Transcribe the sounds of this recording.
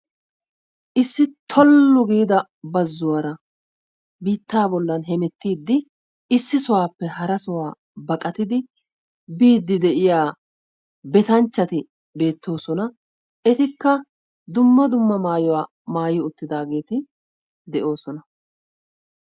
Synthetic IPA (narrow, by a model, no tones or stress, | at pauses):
ʔɪsːɪt̪ʰɔlːʊɡiːd̪ɐ | bɐzːʊwɐɾɐ | biːt̪ːaːbɔlːɐnɦɛmɛt̪ːiːd̪ːɪ | ɪsːɪsʊwaːpːɛhɐɾɐsʊwaː | bɐkʼɐt̪ɪd̪ɪ | biːd̪ːɪd̪ɛʔɪjaː | bɛt̪ɐnt͡ʃːɐt̪ɪ | be̞ːt̪ːo̞ːsɔnɐ | ʔɛt̪ɪkːɐ | d̪ʊmːɐd̪ʊmːɐmaːjɔwaː | maːjɪʊt̪ːɪd̪aːɡe̞ːt̪ɪ | d̪ɛʔo̞ːsɔnɐ